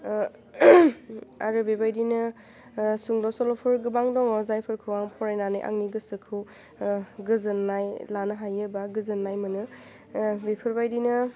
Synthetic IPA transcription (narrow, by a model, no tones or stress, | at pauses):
a̰ɾɯbebajdinɯ | suŋdɔsɔlɔpʰɯɾɡɯbaŋdɔŋɔzajpʰɯɾkʰɯwaŋpʰɔɾajnanɯ̰jʔa̰ŋniɡɯsɯkʰɯw | ɡɯzɯnːajlanɯɦajɯbaɡɯzɯnːajmɯnɯ | bepʰɯɾbajdinɯ